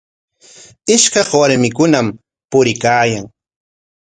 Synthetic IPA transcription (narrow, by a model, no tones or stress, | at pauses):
ɪʃkɑχwaɾmɪkʊnam | pʊɾɪkaːjaŋ